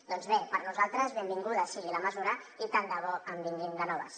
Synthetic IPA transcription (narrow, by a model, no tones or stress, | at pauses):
d̪ɔnzβepəɾnuzalˠt̪ɾəzβembiŋɡuðəsiɣiləməzuɾə | it̪and̪əβ̞ɔəmbiŋɡend̪ənɔβ̞ə̰s